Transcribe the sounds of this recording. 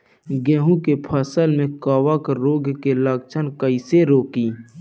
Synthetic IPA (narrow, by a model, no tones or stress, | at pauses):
ɡẽːɦũkepʰəsəlmẽkaːwakɾoːɡkelaːɡt͡ʃʰənkəiseɾoːkiː